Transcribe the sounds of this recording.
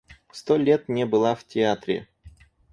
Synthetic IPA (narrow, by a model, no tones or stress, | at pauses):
st̪olʲet̪nʲebɨlˠaftʲɪat̪ɾʲɪ̰